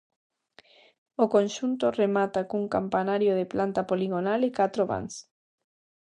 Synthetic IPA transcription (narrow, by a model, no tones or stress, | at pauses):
okonʃunt̪oremat̪akuŋkampanaɾjoðeplant̪apoliɣonalɪkat̪ɾoβa̰ŋs